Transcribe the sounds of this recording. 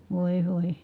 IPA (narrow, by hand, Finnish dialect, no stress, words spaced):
ʋoˑi̯ ʋoˑi